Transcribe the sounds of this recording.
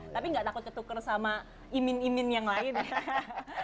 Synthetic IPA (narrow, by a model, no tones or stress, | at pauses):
t̪apiŋɡaʔt̪akʊt̪̚kət̪ukərsama | imɪnimɪnjaŋlaɪn